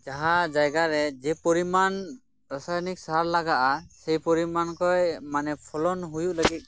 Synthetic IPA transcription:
d͡ʒaɦad͡ʒajɡaɾɛd͡ʒɛpɔɾiman | ɾasajnik̚saɦaɾlaɡaʔasejpɔɾimankɔjmanɛpʰɔlɔnɦujuʔləɡit̪̚

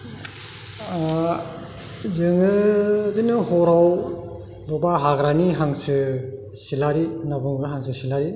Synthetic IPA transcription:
zɯŋɯdinɯhɔɾaw | dɔbaɦaɡɾaniɦaŋsɯsilaɾinabuŋɡɯɦaŋsɯsilaɾi

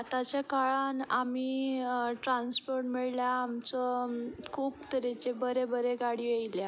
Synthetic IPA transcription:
at̪at͡ɕjakaɭanamiːʈɾãnspoɾʈmiɭljaːmt͡sɔkʰuːpt̪əɾet͡ɕebəɾebəɾeɡaɽiejlja

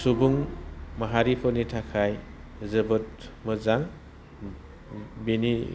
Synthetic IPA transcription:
subuŋmaɦaɾipʰɔnitʰakʰajzɯbɯt̚mɯzaŋ | beni

